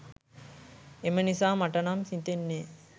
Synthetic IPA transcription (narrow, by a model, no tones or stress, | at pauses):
emənisaːmɐʈɐnamsit̪enːeː